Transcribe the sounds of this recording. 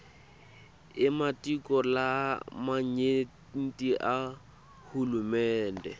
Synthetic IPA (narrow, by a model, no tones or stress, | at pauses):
ɪmatikʼɔlamaɲe | n̩tʼiʔa | hulumɛːndɛ